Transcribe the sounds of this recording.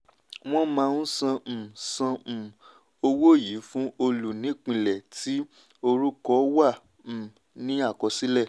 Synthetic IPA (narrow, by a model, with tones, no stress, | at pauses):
w̃ɔ̃˦mãː˧ũ˦sã˧˨sã˧˨ | o˧wo˦˨ji˨˦fũ˦o˧lu˨nĩ˨˦k͡pĩ˧lɛ˨tʰi˨˦ | o˧ɾu˦kɔ˦wã˦˨ | nĩ˦a˦˨kɔ˧si˦lɛ˦˨